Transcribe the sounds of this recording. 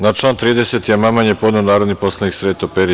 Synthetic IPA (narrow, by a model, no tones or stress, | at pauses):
nat͡ʃlˠaːnt̪ɾiːd̪eset̪ijamamaɲepod̪nonaːɾo̞d̪niposlenixsɾeːt̪opeɾi